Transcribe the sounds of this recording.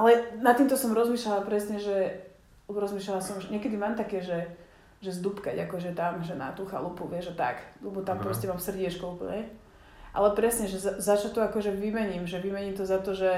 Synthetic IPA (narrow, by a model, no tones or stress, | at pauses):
ʔalɛnat̪ːiːmt̪ɔsɔmɾɔzmiːʃlalapɾɛsɲɛʒɛ | ɾɔzmiːʃlalasɔmʒɛɲɪɛkɛd̪imaːmt̪akɛːʒɛ | ʒɛzd̪upka̰ɟakɔʒɛt̪amʒɛna̰t̪uxa̰lupuʋɪɛʒat̪a̰klɛbɔt̪ampɾɔscɛmaːmsr̩ɟɪɛt͡ʃkɔupl̩ɲɛ | ʔa̰lɛpɾɛsɲɛʒɛzazat͡ʃat̪ɔakɔʒɛʋimɛɲimʒɛʋimɛɲimt̪ɔzat̪ɔʒɛ